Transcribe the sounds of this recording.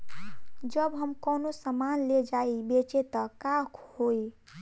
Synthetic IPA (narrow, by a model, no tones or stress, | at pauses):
d͡ʒəbɦəmkənosəmanled͡ʒaibet͡ʃet̪əkakhoj